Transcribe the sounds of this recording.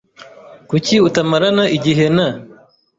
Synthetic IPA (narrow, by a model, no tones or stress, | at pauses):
kuciutɐmɐɾɐnɐʔiɟiɦenɐ